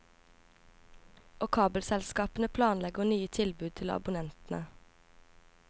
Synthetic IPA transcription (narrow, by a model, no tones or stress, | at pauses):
ʔɔkʰɑːbəlsɛlskɑːpən̩əpʰlɑːnlɛɡənyːət̪ʰɪlbʉːd̪̚t̪ʰɪlɑ̰bʊnɛnt̪n̩ə